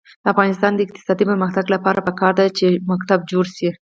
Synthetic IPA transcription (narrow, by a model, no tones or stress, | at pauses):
d̪̥əafɣɑnɪst̪ɑnd̪əɪq̚t̪ɪ̥sɑd̪ipəɾməxt̪aɡlapɑɾapəkɑɾd̪at͡ʃemak̚t̪ab̚d͡ʒoɽʃi